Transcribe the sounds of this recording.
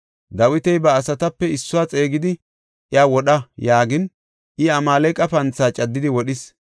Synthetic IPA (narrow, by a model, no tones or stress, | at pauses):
d̪ɐwɪt̪ɛjbɐːsɐt̪ɐpːɛɪsːʊwaːt͡sʼe̞ːɡɪd̪ɪ | ʔɪaːwɔɗɐjaːɡɪn | ʔɪɐmaːlɛjkʼɐpɐnt͡sːaːt͡ʃʼɐd̪ːɪd̪ɪwɔɗɪs